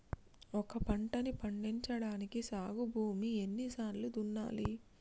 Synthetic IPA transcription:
ɔkɐpɐɳʈɐnipɐɳɖiɲt͡ʃɐɽaːnikisaːɡubʱuːmienːisaːɾlud̪unːa̰ːli

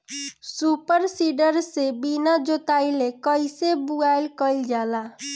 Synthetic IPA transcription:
supəɾsiɖəɾsebinad͡ʒot̪ajlekəjsebuɡajlkəjld͡ʒala

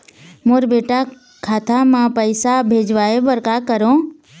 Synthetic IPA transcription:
moɾbeːʈa | kʰaːt̪ʰamãpəɪsabʱeːd͡ʒʋaːebəɾkakəɾõ

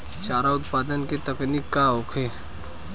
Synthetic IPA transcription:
t͡ʃaːɾaʊt̪paːd̪ənket̪ɐknikːaɦoːkʰeː

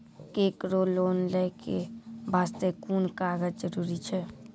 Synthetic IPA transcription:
kekɾolonləɪkebʱast̪ekunkaɡəd͡ʒd͡ʒəɾuɾit͡ʃʰɛ

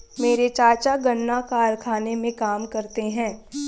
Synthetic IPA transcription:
meːɾet͡ʃaːɾt͡ʃaɡɐɳːakaːɾkʰaːnemẽkaːmkɐɾt̪eɦɛ̃ː

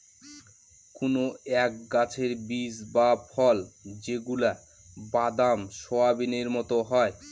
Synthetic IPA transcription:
konoɛk̚ɡat͡ɕʰeɾbisbapʰɔld͡ʑeɡula | bad̪amʃɔabineɾmɔt̪oɦɔe

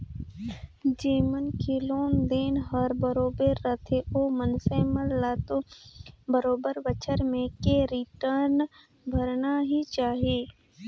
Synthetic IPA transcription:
d͡ʒiːmənkʰiloːnd̪eːnɦəɾbəɾoːbeɾːət̪ʰeoːmənseməllaːt̪o | bəɾoːbəɾbət͡ʃʰəɾmẽkeɾiʈəɾn | bʱəɾnaɦit͡ʃaːɦieː

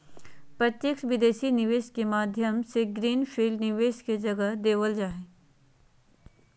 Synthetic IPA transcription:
pɾɐt̪jekʃʋɪd̪eːʃinɪʋeːʃkemaːd̪ʱjəmseɡɾiːnpʰiːlnɪʋeːʃked͡ʒɐɡəɦd̪eːʋəld͡ʒaːɦe

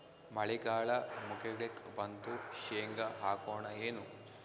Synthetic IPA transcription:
mɐɭiɡaːɭɐmukeɡɭekbɐnt̪uʃeːŋɡɐɦaːkoːɳɐeːnu

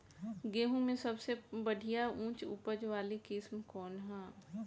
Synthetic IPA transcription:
ɡeːɦũmẽsɐbsebɐɽʱijaũːt͡ʃʊ̰pəd͡ʒʋaːlikɪsmkɔːnɦɛ̃ː

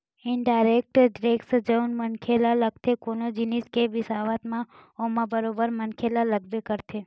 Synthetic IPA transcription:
ɪnɖaːɪɾeːk̚ʈɖɾeːksd͡ʒəʊnmənkʰelaləɡ̚t̪ʰekoːnod͡ʒɪnɪskebɪsaːʋət̪mãomãbəɾoːbəɾmɐnkʰelalɐɡbekəɾt̪ʰeː

